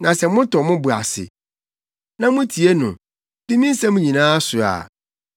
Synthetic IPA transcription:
nã˨sɛ˨˦mʊ̃˦tʰɔ˨mʊ̃˦bu˨a˨sɪ̰˨ | nã˦mʊ̃˦tʰi˨e˦nʊ̰̃˨ | dɪ˦mĩ˦n̩˦sã˦mʊ̃˦ɲĩ˨nãː˦a˦sʊ˨a̰˨

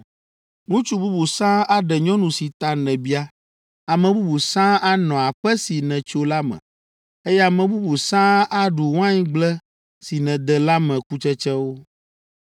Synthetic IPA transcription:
nũ˦t͡ʃu˦bu˦bu˨sã˦a˦ɖɛ˨ɲɔ̃˦nũ˨si˨t̪a˨nɛ̃˨bi˦a˦ | a˨mɛ̃˨bu˦bu˨sã˦a˦nɔ̃˨a˨ɸɛ˦si˨nɛ̃˨t͡ʃo˦la˦mɛ̰̃˨ | e˦jɛ˦a˨mɛ̃˨bu˦bu˨sã˦a˦ɖu˨wã˦ɲĩ˦ɡ͡blɛ˦ | si˨nɛ̃˨d̪ɛ˨la˦mɛ̃˨ku˦t͡ʃɛ˦t͡ʃɛ˦wo˦

